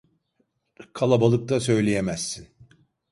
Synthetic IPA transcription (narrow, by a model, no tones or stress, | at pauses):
kʰalˠabalˠɯk̚t̪asø̞jlʲejemæsːin